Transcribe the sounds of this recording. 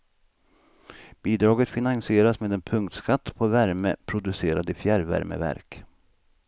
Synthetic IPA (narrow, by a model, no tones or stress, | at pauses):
b̥iːd̪ɾɑːɡət̪fɪnansɪeːɾasmeːd̪ɛnpʰɵŋkt̪skat̪ːpʰɔvæɾmə̰pʰɾʊd̪ɵseːɾad̪ɪfjæɾvæ̰ɾmə̰væ̰ɾk